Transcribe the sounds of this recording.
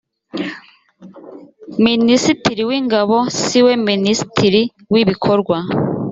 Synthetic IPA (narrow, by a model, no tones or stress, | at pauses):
minisitiɾiwiːŋɡaβo̞siwe̞minisi̥tʰiɾi | wiβikʰo̞ɾɡwa